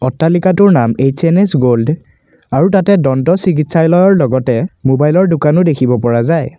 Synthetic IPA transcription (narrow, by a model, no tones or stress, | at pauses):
ɔtːalikatʊɹnamet͡ʃenesɡold | aɹutatɛdɔntɔsik̬itsajlɔjɔɹlɔɡɔtɛmobajlɔɹdʊkanʊdekʰibɔpɔɹazaj